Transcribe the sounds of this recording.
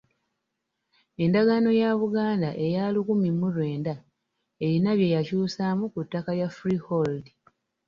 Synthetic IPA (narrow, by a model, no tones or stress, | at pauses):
e̞ndaɡano̞jaβuɡaːndaʔe̞jaːlukumimːuɾwe̞ːnda | e̞ɾinaβje̞jacuːsamukutːakajafɾiholdi